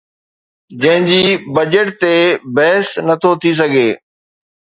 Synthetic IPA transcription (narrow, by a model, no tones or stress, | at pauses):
d͡ʑɐ̃ɦɪ̃d͡ʑiːbɐd͡ʑəʈt̪ebɛɦɪsnɐt̪ʰot̪ʰis̬ɐɡʱeː